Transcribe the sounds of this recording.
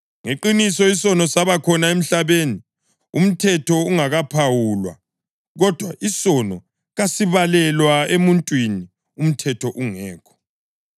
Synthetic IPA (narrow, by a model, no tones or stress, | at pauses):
ŋeǃinisɔisɔnɔsaβakʰɔnaem̩ɬaβeni | um̩tʰɛtʰɔuŋaɣapʰawulwa̰ | ɣɔd̥ʱwa̰ʔisɔnɔ | ɣasiβalɛlwaemuntʼwini | um̩tʰɛtʰɔʔuŋɛːkʰɔ̥